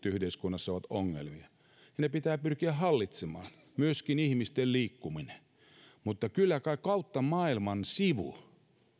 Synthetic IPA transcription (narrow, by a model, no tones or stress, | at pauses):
yhdeiskunːɑsːɑoʋɑt̪oŋːḛlmiɑ | jnepit̪æːpyrkiæhɑlːit̪semɑːn | myøskinihmist̪elliːkːumine̥ | mut̪ːɑkylːækɑikɑut̪ːɑmɑːilmɑnsiʋṵ